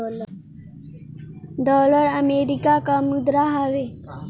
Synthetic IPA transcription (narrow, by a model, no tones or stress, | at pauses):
ɖɔləɾəmeɾikakamud̪ɾaɦaʋe